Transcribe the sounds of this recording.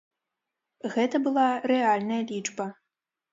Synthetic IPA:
ɣɛt̪ɐbɨlˠarɛalʲnɐjɐlʲit͡ʂbɐ

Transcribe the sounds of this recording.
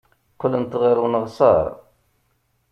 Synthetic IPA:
qːələnt̪ʁiɾwnəʁsˤɑ̰ɾˤ

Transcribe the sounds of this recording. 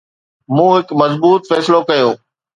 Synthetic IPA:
mũːɦɪkmɐzbuːt̪fɛːsɪlokɐjoː

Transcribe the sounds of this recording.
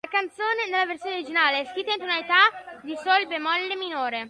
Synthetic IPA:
lakant̪soːnenelːaversjoːneoɾid͡ʒinaːlesk̪it̪int̪onalit̪ad̪isolbemɔlːeminoːɾe

